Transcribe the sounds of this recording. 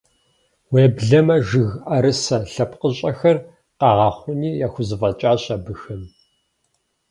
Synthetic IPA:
weːbɮɐmɐʒɨɣaɾɨsɐɬɐpqəɕʼɐxɐr | qɑʁɑːχʷʊniːjaːxʷʊzɨfɐt͡ʃʼaːɕʼɐbɨxɨm

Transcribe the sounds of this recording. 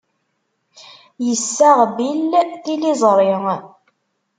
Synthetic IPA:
jəsːæʁbilːθilizˤɾˤɪŋ

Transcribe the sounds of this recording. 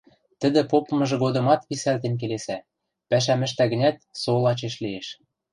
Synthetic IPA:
t̪ə̆d̪ɘ̆popɤ̆mɤ̆ʒɤ̆ɣod̪ɤ̆mɑt̪pisælt̪enk̬elesæ | pæʃ̬æmɘ̆ʃt̪æɣɘ̆nʲæt̪̚solɑt͡ɕeʃlieʃ

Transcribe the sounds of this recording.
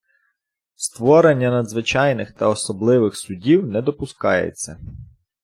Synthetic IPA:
st̪ʋɔɾenʲːɐnɐd̪zʋɪt͡ʃɑjnɪxt̪ɐɔsɔblˠɪʋɪxsʊdʲiwnɛd̪ɔpʊskɑjḛt͡sʲːɐ

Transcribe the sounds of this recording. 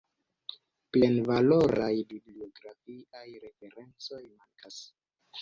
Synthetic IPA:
ple̞nvalo̞ɾajbiblio̞ɡɾafiajɾe̞fe̞ɾe̞nt͡so̞jmaŋkʰas

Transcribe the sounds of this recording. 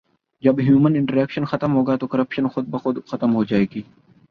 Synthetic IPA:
d͡ʒɐbɦjuːmənɪ̃ɳʈəɾɛːkʃənxɐt̪əmɦoːɡaːt̪oːkɐɾəpʃənxʊd̪̚bɐxʊd̪xɐt̪əmɦoːd͡ʒaːeːɡiː

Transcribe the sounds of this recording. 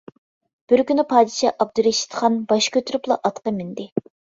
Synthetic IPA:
b̥ɪɾkʲynɪpʰɑːd̪ɪʃɑʔɑb̚d̪uɾeʃi̥t̪χɑnbɑʃkʲʰøt̪ʰyɾyplˠɑ̰ʔɑt̪qəmɪnd̪ɪ

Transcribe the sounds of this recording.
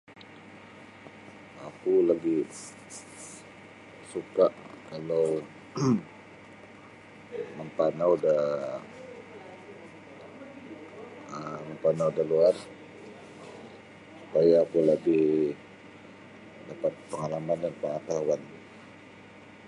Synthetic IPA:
akulabɪh | sukaʔkala | məmpanawuda | əməmpanawdaluar | supajaːkuləbɪh | dapat̪̚pəŋalamandanpəŋat̪awan

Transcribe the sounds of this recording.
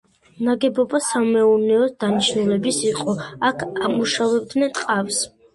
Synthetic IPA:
naɡɛbɔbasamɛuɾnɛɔsd̪̥aniʃnulɛbisiqʼɔakʰamuʃavɛb̚d̪nɛnt̪ʼqʼafs

